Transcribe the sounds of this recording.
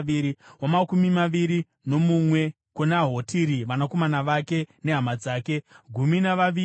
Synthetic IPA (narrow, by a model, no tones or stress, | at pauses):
iɾiwamakumimaʋiɾi | no̞mumwe̞ | kunaɦo̞tʰiɾiʋanako̞manaʋake̞ne̞ɦamad͡zaːke̞ɡʱuminaʋaʋi